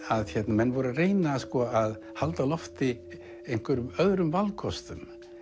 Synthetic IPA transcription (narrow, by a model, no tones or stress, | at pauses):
aðçɛt̪namɛnːvɔɾareːjnaskɔað | halt̪alɔft̪ɪ | ejŋ̥kʏɾʏmœðɾʏmvalkʰɔst̪ʏm